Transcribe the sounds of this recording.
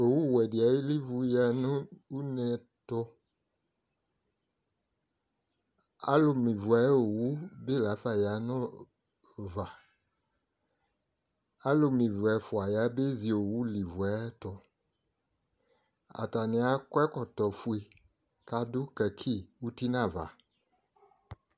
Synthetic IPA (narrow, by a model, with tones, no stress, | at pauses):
o˨wu˦˨wɛ˨dɪ˨a˨ji˦li˦vu˨ja˨nʊ̃˦u˦nɛ˨ | tʊ˦ | a̰˦lʊ˨mĩ˨vu˨a˨˦o˨wu˦be˦la˨˦fa˦ja˨nʊ̃˦ | va˨ | a˦lo˨mĩ˨vu˨ɛ˨fʊ˨a˨ja˨˦be˦zi˨o˨wu˦li˨vu˨ɛ˦tʊ˨ | a̰˨ta˨nɪ̃˨˦a˨˦kɛ˦kɔ˨t̪ɔ˨fu˦e˨ | ka˨dʊ˦kɛ˨kʰi˦˨wu˦ti˦nã˦˨va̰˨